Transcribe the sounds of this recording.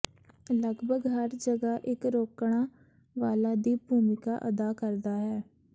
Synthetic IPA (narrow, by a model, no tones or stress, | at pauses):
ləɡbʱəɡɦəɾd͡ʒəɡaːʔɪkɾoːkɳ̃aː | ʋaːlaːd̪iːbʱuːmɪka̰ːʔə̰d̪aːkəɾd̪aːɦɛː